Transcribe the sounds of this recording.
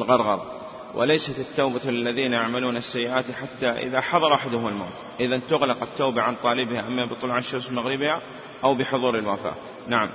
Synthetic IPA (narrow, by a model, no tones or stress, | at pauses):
lɣɑɾˤɣɑɾˤɑ | wʔɪ̰lajsat̪ɪt̪ːaːbalːaðiːnajaʕmaluːnasːajːɪʔaːt̪iħat̪ːaʔɪ̰ðaħɑðˤɑɾˤwaːħɪd̪ʊhʊmɪlma̰ːt̪ʔɪðant̪ʊɣlɑqɪt̪ːaːbaʕant̪ˤɑːlɪbɪhaʔamːabɨt̪ˤʊlʕaʃːʊmslmaɣɾɪbha | ʔawbɪħʊðˤuːɾɪlwafa̰ː | naʕam